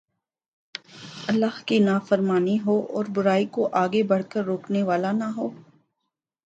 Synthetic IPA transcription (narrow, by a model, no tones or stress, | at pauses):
ɐlːaːɦkinaːfəɾmaːniɦoːʔɔːɾbʊɾaːikoʔaːɡebɐɽ̤kəɾːoːkneʋaːlanɐɦoː